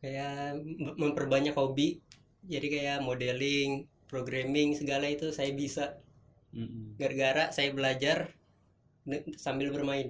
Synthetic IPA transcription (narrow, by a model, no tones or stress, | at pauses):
kaja | məmpərbaɲakhobiʔ | d͡ʒadikajaʔmodɛlɪŋ | pɾoɡɾamɪŋsəɡalait̪usajabisa | ɡarɡaɾasajabəlad͡ʒar | sambɪlbərmaɪn